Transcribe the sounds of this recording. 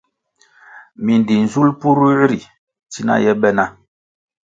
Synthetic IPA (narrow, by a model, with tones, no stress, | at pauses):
mi˨n˨di˨n̩˨zu˦lpu˦ɾu˦ɾi˨ | ti˦na̰˦jɛ˦ɓɛ˦na˦